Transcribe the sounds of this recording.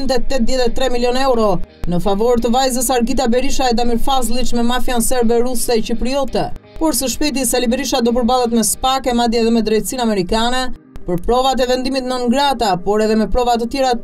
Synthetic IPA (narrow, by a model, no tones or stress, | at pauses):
nt̪ɛt̪ːɛt̪ðjɛt̪ɛt̪ːɾɛmiljɔnɛwɾɔ | nəfavɔɾt̪əvajzəsaɾɡit̪abɛɾiʃaɛd̪amiɾfazlˠit͡ʃmɛmafjansɛɾbɛɾusɛɛt͡ɕipɾiɔt̪ɛpɔɾsəʃpɛt̪̬isɛlibɛɾiʃad̪ɔp̬əɾbalˠɛt̪mɛspakɛmad̪jɛɛðɛmɛd̪ɾɛjt̪əsinamɛɾikanɛ | pəɾpɾɔvat̪̬ɛvɛnd̪imit̪nɔnɡɾat̪apɔɾɛðɛmɛpɾɔvat̪̬ət̪jɛɾa